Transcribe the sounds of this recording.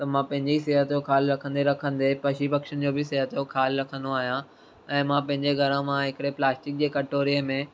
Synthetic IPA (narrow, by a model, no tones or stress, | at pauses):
t̪ɐmãpɐ̃ɦɪ̃ɲd͡ʑeisiːɦət̪jokʰaːlɾɐkʰə̃nd̪eɾɐkʰə̃n̆d̪epɐʃibɐkʃənɪ̆d͡ʑoːbɪseɦət̪jokʰaːlɾɐkʰə̃n̆d̪oaːɦijã | ɛ̃ːmãpɐ̃ɦɪ̃ɲd͡ʑeɡʱɐɾə̃mãɦɪkɪɽeplaːsʈɪk̚d͡ʑeːkɐʈoːɾiəmẽ